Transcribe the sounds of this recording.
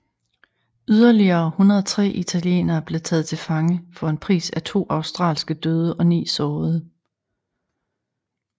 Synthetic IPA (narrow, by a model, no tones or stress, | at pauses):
yð̞ˠɐliɐːhunɐðˠt͡sʰʁɛ̰ːʔit͡sʰæljḛːnɐːb̥le̝t͡sʰɛ̰ːð̞̩ˠt͡sʰe̝lfɑ̈ŋəfɒ̽e̝npʰʁḭːsæt͡sʰo̝̰ːʔɑ̈ʊsd̥ʁɑ̰̈ːlsɡ̥əd̥øːð̞ˠəʔɒ̽nḭːsɒːð̞̩ˠ